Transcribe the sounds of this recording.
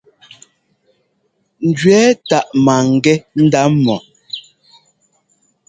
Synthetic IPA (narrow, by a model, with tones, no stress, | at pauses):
n̩˨dɥɛ˦ta˨ʔma˨ŋ˨ɡɛ˦n̩˦da˦mmːɔ˨